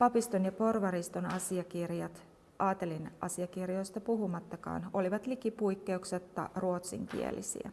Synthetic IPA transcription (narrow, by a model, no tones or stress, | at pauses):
pɑpist̪onjɑpo̞rʋɑɾist̪onɑsiɑkirjɑt̪ | ʔɑːt̪e̞linʔɑ̰siɑkirjo̞jst̪ɑpuɦumɑt̪ːɑkɑ̰ːno̞liʋɑt̪likipujkːe̞ukset̪ːɑ̰ruot̪sḭŋkḭḛlʔḭsḭæ̰